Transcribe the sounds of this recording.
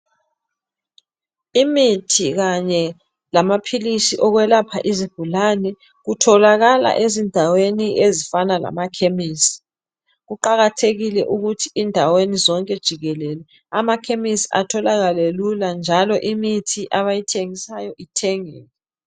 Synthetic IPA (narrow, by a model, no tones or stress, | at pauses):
imitʰiɣaɲɛ | lamapʰilisiʔɔɣwɛlapʰa̰ʔizib̥ʱulanɛ | ɣutʰɔlaɣala̰ʔezindʱaweniʔezifanala̰makʰemiːsi̥ | ɣuǃaɣatʰeɣilɛʔuɣutʰiindʱawenizɔŋkʼɛd̥ʒ̥ʱiɣɛlɛlɛ | amakʰemisia̰tʰɔlaɣaleluland͡ʒʱalɔʔimitʰiʔaβajitʰeŋisajɔʔitʰɛŋɛ̰ːlɛ